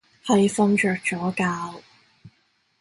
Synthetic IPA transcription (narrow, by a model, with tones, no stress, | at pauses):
hɐ˨jfɐ˧ŋt͡ʃœː˨k̚t͡ʃɔː˨˥kaː˧w